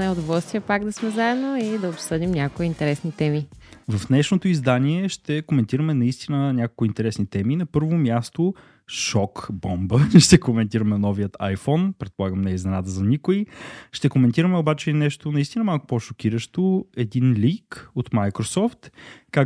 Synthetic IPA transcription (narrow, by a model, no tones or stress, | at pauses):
nɛʊd̪ovɔlˠst̪vijəpaɡd̪ɐsmɛzaɛd̪noid̪ɐopsɤd̪imnʲakkoint̪ɛɾɛsnit̪ɛmivɐfd̪nɛʃnot̪oizd̪anʲiɛʃt̪ɛkomɛnt̪iɾəmɛnɐist̪inənʲakolˠkʊint̪ɛɾɛsnit̪ɛminɐpɤɾvomʲjast̪o | ʃɔkbɔmbəʃt̪ɛkomɛnt̪iɾəmɛnɔviət̪ajfɔnpɾɛt̪̚polˠaɡəmnɛznɛnat̪əzɐnikʊiʃt̪ɛkomɛnt̪iɾəmɛobat͡ʃɛnɛʃt̪onɐist̪inɐmalˠkʊ̥poʃok̟iɾəʃt̪oɛd̪inlikot̪majkɾosɔft̪ka